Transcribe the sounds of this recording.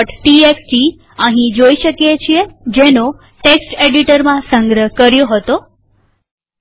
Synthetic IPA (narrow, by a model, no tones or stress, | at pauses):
ʈʈieksʈi | ə̃ɦĩd͡ʒoiʃəkjet͡ʃʰijed͡ʒeno | ʈeksʈeɖiʈəɾmãsə̃ŋɡɾəɦkəɾjoɦət̪o